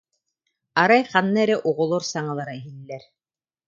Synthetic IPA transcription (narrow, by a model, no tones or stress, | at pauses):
aɾajχanːaɛɾɛʔuʁɔlˠuɾsaŋalˠaɾaɦilʲːɛɾ